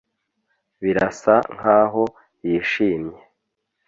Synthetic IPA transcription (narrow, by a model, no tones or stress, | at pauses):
βiɾasaŋ̥haːɦo̞ | jiːʃiːmɲe